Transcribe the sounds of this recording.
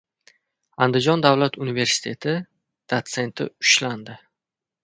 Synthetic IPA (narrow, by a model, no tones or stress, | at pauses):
and̪ɪd͡ʒɒnd̪avlat̪unive̞ɾsɪ̥t̪ʰe̞t̪ʰɪ | d̪̥at̪se̞nt̪ʰɪ̰ʊ̥ʃland̪ɪ